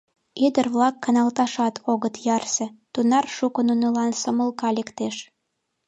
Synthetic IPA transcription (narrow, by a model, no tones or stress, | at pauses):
yd̪ərβlɑkːɑnɑlt̪ɑʃɑt̪ʰoɣət̪jɑrsĕt̪unɑrʃukənunɤlɑnsŏmə̆lkɑlʲekt̪eʃ